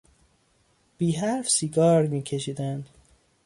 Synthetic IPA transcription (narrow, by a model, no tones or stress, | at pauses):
b̥iːɦæɾfsiːɡɒːɾmiːcʰe̞ʃiːd̪ænd̪̥